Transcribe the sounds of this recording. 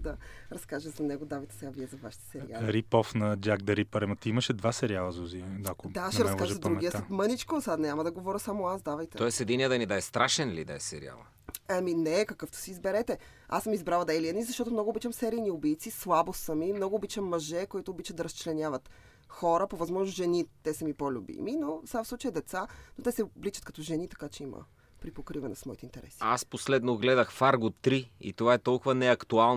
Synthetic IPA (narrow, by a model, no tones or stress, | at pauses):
d̪ɐɾɐskaʒəzɐnɛɡod̪avɐjt̪ɛ̥sɛɡaviɛzɐvaʃit̪ɛ̥sɛɾialˠɾipɔfnɐd͡ʒaɡ̚d̪ɐɾipɐɾɛmɐt̪imɐʃɛd̪vasɛɾialˠɐzuziakod̪aʃɛɾɐskaʒzɐd̪ɾuɡiəsɛmənit͡ʃkosanʲamɐd̪ɐɡovɔɾʲəsamoasd̪avɐjt̪ɛt̪ɔɛsɛd̪iniəd̪ɐnid̪aɛst̪ɾaʃɛnlḭd̪ɐ̰ɛ̰sɛ̰ɾḭa̰lˠɐ̰ | aminɛkɐkɤft̪o̥siːzbɛɾɛt̪ɛ | a̰səmizbɾalˠəd̪ɐɛliɛnizɐʃt̪ɔt̪omnɔɡoːbit͡ʃəmsɛɾijniʊbijt̪sislˠabost̪səmimnɔɡʊːbit͡ʃəmːɐʒɛkoit̪oːbit͡ʃət̪d̪ɐɾəst͡ʃlɛnʲavət̪ | xɔɾəpovɐzmɔʒnosʒɛnit̪ːɛsɐmipolʲubḭminofsafslˠut͡ʃəjɛd̪ɛt̪sanot̪ɛsɛblit͡ʃɐt̪̚kɐt̪ɔʒɛnit̪ɐ̥kat͡ʃɛimə̰ | pɾipokɾivɐnɛ̰smɔit̪ɛint̪ɛɾɛ̰siasposlɛd̪noɡlɛd̪əxfaɾɡot̪ːɾiḭt̪ovaɛt̪ɔlˠkʊvənɛɐkt̪ualˠn